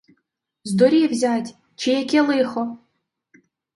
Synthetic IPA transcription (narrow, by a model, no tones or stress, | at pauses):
zd̪ɔɾʲiwzʲatʲ | t͡ʃijɐkʲɛlˠɪxɔ